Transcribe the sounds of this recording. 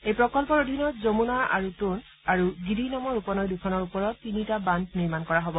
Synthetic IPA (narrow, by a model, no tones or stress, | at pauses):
ejpɹɔkɔlpɔɹodʱinɔtzomunaa̰ɹutun | aɹuɡidinamɔɹupɔnɔjdukʰɔnɔɹupɔɹɔtːinitabandniɹmankɔɹaɦobɔ